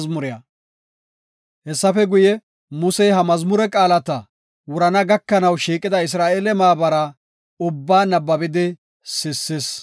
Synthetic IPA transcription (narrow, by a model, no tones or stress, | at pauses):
zmʊɾɪjɐ | hɛsːɐfɛɡʊjɛ | mʊsɛjɦɐmɐzmʊɾɛkʼaːlɐt̪ɐ | wʊɾɐnɐɡɐkːɐnɐwʃiːkʼɪd̪ɐɪs̬ɾaːʔelɛmaːbɐɾɐ | ʊbːaːnɐbːɐbɪd̪ɪ | sɪsːɪs